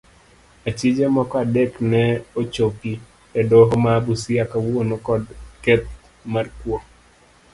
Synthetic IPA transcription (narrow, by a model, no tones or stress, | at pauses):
at͡ʃid͡ʒemɔkɔadeknɛot͡ʃopi | ɛdoɦomabusiakawonokɔdkɛt̪̚ | markwɔ